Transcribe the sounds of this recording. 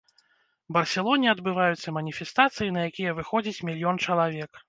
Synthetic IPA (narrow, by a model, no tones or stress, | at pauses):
bɐrsʲɛlˠɔnʲiɐd̪bɨvajut̪sːɐmɐnʲifʲɛst̪at̪sɨjinɐjakʲijɐvɨxɔd͡zʲit͡sʲmʲilʲijɔnt͡ʂɐlˠavʲɛk